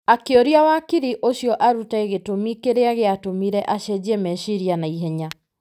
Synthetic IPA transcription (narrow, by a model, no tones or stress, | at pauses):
akeoɾiawakiɾiʔoɕjɔʔaɾutaeɣetomikeɾeaɣeatomiɾɛʔaʃɛd͡ʑiɛmɛʃiɾianaiɦɛɲa